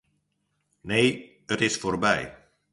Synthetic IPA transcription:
nej | ətɪsforbɛ̰j

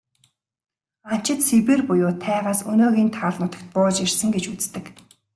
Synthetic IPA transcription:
an̥t͡ɕɪ̆t̪sipeːrpʊjʊːt̪ʰæːʁaːsɵnoːɣiːnt̪ʰaːɮnʊt̪ə̆kt̪̚pʊːt͡ɕirsɘ̆ŋɡet͡ɕut͡st̪ɘ̆k

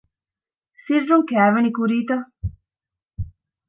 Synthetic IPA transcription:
sirːuŋkæːʋɐnikuɾiːt̪ɐ

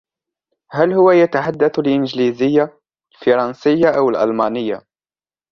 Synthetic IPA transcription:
hælhʊwajat̪aħad̪ːaθlʔɪnd͡ʒlizɪjːa | lfɑɾˤɑnsɪjːaʔawəlʔɑ̰lmɑːnɪjːa̰

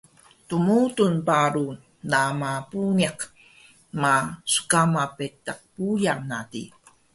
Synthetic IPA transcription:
tumutunpaɾu | namapuniaq | masu̥kamapetːaq̚pujanatḭ

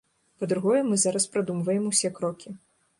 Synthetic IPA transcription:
pɐd̪ɾuɣɔjɛmɨzaɾɐspɾad̪umvɐjɛmusʲɛkɾɔkʲi

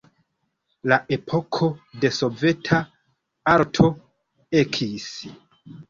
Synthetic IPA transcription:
laʔe̞pʰo̞kʰo̞de̞so̞ve̞tʰa | aɾtʰo̞ | ekʰis

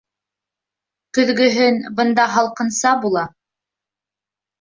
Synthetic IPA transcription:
kɵ̆ðɡɵ̆ɦɵnbɤ̆nd̪ɑɦɑlˠqɤ̆nsɑbulˠɑ

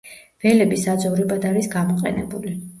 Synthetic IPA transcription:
vɛlɛbisad̪zɔvɾɛbad̪aɾisɡamɔqʼɛ̰nɛ̰buli

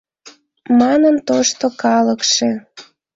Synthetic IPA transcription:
mɑnənt̪oʃt̪okɑləkʃe

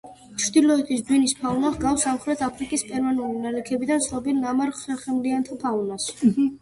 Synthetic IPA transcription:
t͡ʃʰɾd̪ilˠɔɛt̪ʰisd̪winispʰaunaʁɡafsamχɾɛt̪ʰapʰɾikʼispʼɛɾmanulinalɛkʰɛbid̪ansʰɾɔbilnamaɾχsɛɾχɛmliant̪ʰapʰaunas

